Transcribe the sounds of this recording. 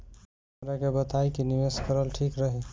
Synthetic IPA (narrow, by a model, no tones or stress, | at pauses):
ɾakebət̪aikiniʋeskəɾəlʈʰikɾəɦi